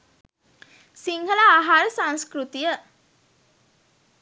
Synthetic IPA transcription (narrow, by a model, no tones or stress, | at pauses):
siŋhəlaːɦaɾəsãŋskɾut̪ijə